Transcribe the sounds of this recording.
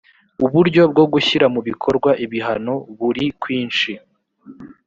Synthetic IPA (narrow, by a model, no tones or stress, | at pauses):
uβuɾɟo̞b̚ɡo̞ɡuçiɾamuβikʰo̞ɾɡwaʔiβiɦano̞βuɾikwiːnʃi